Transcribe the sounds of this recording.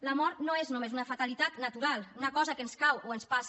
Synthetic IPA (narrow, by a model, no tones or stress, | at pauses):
ləmɔɾnoeznumezunəfat̪əlit̪at̪nət̪uɾalˠunəkɔzəkənskawoənspas